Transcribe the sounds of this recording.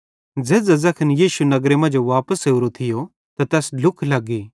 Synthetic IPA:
d͡zɛːzɐzakʰɐnjiːʃunɐɡɾemɐ̃nd͡ʒoʋaːpəseuɾot̪ʰɪjo | t̪at̪ɛːslʊkʰlɐɡːiː

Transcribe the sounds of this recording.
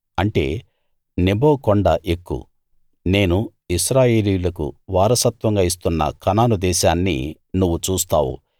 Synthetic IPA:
ɐɳʈe̞̰ː | nebo̞ːkoɳɖɐʔekːṵ | ne̞ːnu | isɾaːje̞ːlijulɐkṵʋaːɾɐsɐt̪ʋɐŋɡaːis̬t̪unːɐ̰kɐnaːnud̪ɛːʃaːnːḭ | nuʋːut͡ʃuːst̪a̰ːwṵ

